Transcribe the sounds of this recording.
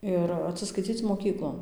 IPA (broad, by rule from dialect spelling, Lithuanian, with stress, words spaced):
ˈɪr ɐtʲsʲɪskɐɪˈt͡sʲiːt͡s moːˈkʲiːklˠoːn